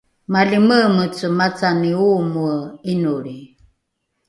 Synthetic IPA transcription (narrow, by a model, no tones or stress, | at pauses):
maliməmət͡səmat͡saniumuəinuɾi